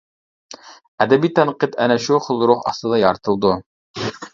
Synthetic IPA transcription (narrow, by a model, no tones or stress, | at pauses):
æd̪æbit̪ænqit̪ænæʃuχŏlˠɾuχɑ̰sɤ̆d̪ɑjɑɾt̪ɤ̆lˠd̪o